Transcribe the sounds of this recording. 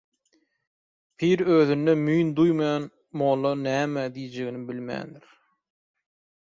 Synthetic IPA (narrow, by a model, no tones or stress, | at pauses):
pʰiːɾøːðynːemyjnd̪ujmɑjɑn | molˠɑnæːmæd̪ijd͡ʒeɡinibilmæ̰ːnd̪iɾ